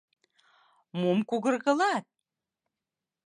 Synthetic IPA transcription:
mumkuɣə̆rɣɤ̆lɑt̪̚

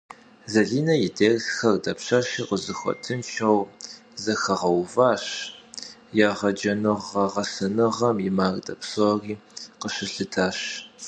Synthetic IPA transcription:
zɐɮiːnɐjɪdeːrsxɐrdɐpɕɐɕiːqəzɨxʷɔ̰tʰɨmʃɐw | zɐxɐʁɐwvaːɕ | jaːʁɐd͡ʒɐnɨʁɐʁɐsɐnɨʁɐmjɪmaːrdɐpsoriːqəɕɪɬɨtʰaːɕ

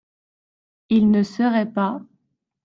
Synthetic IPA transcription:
ilnəsəʁɛpa

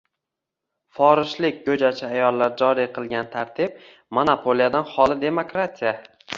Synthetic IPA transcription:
fɒɾɪʃlɪk̚ʲɡɵd͡ʒat͡ʃʰɪajɒlˠːaɾd͡ʒɒɾiqʰɨlˠɡʲant̪ʰaɾt̪ʰɪb̚ | monapʰolijad̪anχɒlˠɪd̪e̞mokɾat̪ʰija

